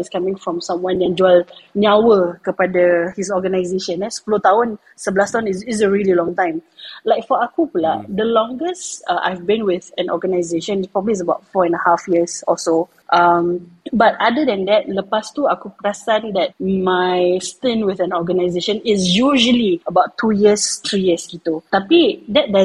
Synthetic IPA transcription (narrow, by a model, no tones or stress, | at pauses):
iskamĩŋfɹɔ̃msãmwãnjɛ̃nd͡ʒuəlnawəkəpadəhis̬ɔɡənaɪzeʃə̃nɛspulot̪aɦʊ̃n | səbəlast̪aɦʊ̃niɪs̬əɹiəlilɔ̃ŋt̪ãj̃m | laɪkfɔakupəlad̪əlɔ̃ŋɡəsʔa̰jvbĩnwɪðɛ̃nɔ̰ɡənaɪzeʃə̃npɹɔbəblis̬əbaʊt̚fɔɛ̃nəhafjiəsɔso | ʔambatadədɛ̃ndɛt̚ləpastuakupɹasãndɛt̚majstɛ̃nwɪθɛ̃nɔɡənaɪzeʃə̃nɪsjuʒəliəbaʊtʰːujiəst̪ɹijiəskit̪ot̪apidɛt̚dɛ